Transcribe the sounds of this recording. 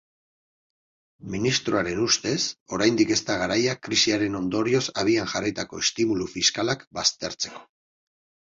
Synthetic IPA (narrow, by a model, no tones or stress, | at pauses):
minist̪ɾoaɾe̞nust̪e̞so̞ɾajnd̪ike̞st̪aɣaɾajakɾisiaɾe̞no̞nd̪o̞ɾio̞saβ̞ianʝarajt̪ako̞est̪imulufiskalakbast̪e̞ɾt͡se̞̥ko̞̥